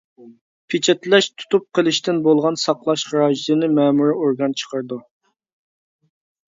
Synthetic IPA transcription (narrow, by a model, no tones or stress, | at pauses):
pʰɪt͡ʃʰɛt̪lɛʃt̪ʰu̥t̪up̚qʰəlˠɨʃt̪ɪnbolˠʁɑnsɑqlˠɑʃχɾɑːʒid̪ɨnɨmɛːmuɾɪoɾɡɑnt͡ʃʰə̥qʰəɾd̪u